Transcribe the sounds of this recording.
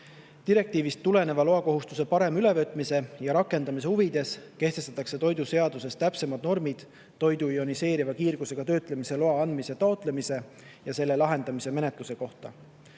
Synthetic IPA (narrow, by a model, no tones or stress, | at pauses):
t̪iɾe̞k̚t̪iːvist̪ːule̞ne̞vɑlo̞ɑko̞ɦust̪use̞pɑɾe̞myle̞vøt̪ːˑmise̞jɑɾɑkːˑe̞nd̪ɑmis̬e̞huvid̪̥e̞ske̞ht̪est̪ɑt̪ːˑɑkse̞t̪o̞jd̪use̞ɑd̪use̞st̪æpse̞mɑd̪̥no̞rmid̪̥ː | o̞jd̪̥uio̞nise̞ːɾivɑkiːrɡ̥useɡ̥ɑt̪ø̞ːt̪ˑle̞mise̞lo̞ɑɑnd̪miset̪ɑot̪ˑle̞mise̞ | jɑse̞lːe̞lɑɦe̞nd̪̥ɑmise̞me̞ne̞t̪ˑluse̞ko̞ht̪ɑ̰